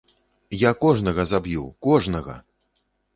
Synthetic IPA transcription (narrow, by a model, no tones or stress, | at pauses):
jakɔʐnɐɣɐzabjukɔʐnɐɣɐ̰